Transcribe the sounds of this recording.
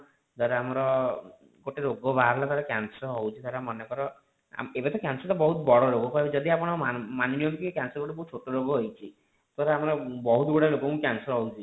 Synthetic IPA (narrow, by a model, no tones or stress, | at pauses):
d͡ʒɔɾeamɔɾɔ | ɡoʈeɾoɡɔbaɦaɾlat̪aɾekjansɾɦowt͡ʃʰit̪aɾeamɔnekɔɾɔ | a̰mebet̪ɔkjansɔɾt̪ɔbɔɦut̪bɔɽɔɾoɡɔpajbd͡ʒɔd̪iapɔɽ̃ɔamaniniɔmk̪ikekjansɔɾɡoʈebɔɦut͡ʃʰoʈoɾoɡɔɦojt͡ʃʰi | t̪aɾeamɔɾɔbɔɦut̪ɡuɽalokɔmũkjansɔɾɦɔwt͡ʃʰi